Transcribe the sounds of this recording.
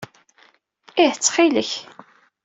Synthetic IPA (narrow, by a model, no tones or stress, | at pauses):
ihət͡sːχiləç